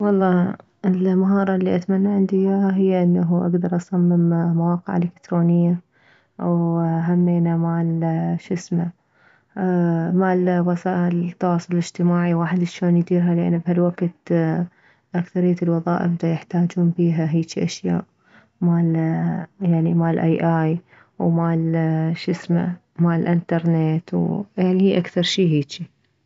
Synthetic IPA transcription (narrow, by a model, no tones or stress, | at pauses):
wɑlˤːɑː | ɪlmaɦɑːɾˤɑlːiʔat̪manːaʕɪnd̪ijaɦɪjːaʔɪnːaɦuʔa̰ɡd̪ɑɾˤʔɑsˤamːɪmmawɑːqɪ̰ʕʔɪ̰lɪkt̪ɾoːnɪjːa | ʔawɦamːeːnamaʕlʃɪsma | maʕlwasaːʔɪlt̪ːɑwɑːsˤʊlɪlɪd͡ʒt̪ɪmaːʕiwaːħɪd̪ʃoːnjd̪iːɾɦalɪʔa̰nːbhalwaɡt̪ | ʔakθɑɾɪjːat̪lwɑðˤɑ̰ːʔɪ̰bd̪ajɪħt̪aːd͡ʒuːnbiːɦaɦiːt͡ʃiʔaʃja̰ːʔ | maːl | jaʕnimaːlʔajʔaːj | wmaːlʃɪsma̰ | maːlʔɪnt̪ɑɾˤnet̪wjaʕnihiːʔakθɑɾˤʃiːɦiːt͡ʃi